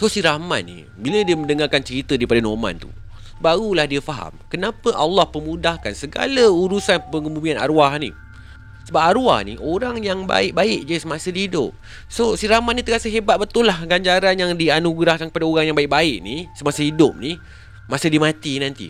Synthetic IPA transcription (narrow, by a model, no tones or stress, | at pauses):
sosiɾama̰t̪̚nḭ | bilədiəmə̃ndəŋarkant͡ʃəɾit̪ədaipadanomã̰nt̪ṵ | baɾulahdiəfaɦa̰mkənapəʔalːɑhpəmũdahkansəɡa̰lauɾusanpəŋumumiana̰ɾuahnḭ | səbap̚aɾua̰hnḭʔoɾaŋjaŋba̰ɪk̚baɪʔ̚d͡ʒasəmasədiidʊp̚ | sosiɾahmat̪̚nĩt̪əkasəɦebat̪̚bət̪ʊlahɡaɲd͡ʒaɾanjaŋdianuɡɾahkankəpadaoɾaŋjaŋbaɪk̚baɪʔ̚nisəmasəɦidʊp̚ni | mãsədimãt̪inãnt̪ḭ